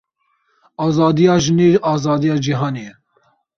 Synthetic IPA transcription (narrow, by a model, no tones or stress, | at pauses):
ɑːzɑːd̪ijɑːʒɨneːɾɑːzɑːd̪ijɑːd͡ʒiɦɑːne